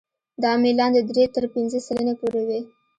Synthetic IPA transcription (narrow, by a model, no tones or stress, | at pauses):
d̪ɑmilɑnd̪əd̪ɾet̪əɾpinzəsələnepoɾewe